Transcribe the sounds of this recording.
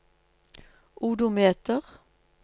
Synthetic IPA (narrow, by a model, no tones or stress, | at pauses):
ʔuːd̪ʊmeːt̪əʁ